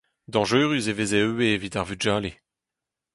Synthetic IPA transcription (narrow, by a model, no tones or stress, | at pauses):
d̪ɑ̃ʒøːʁyzevezeøwevit̪aʁvyʒaːle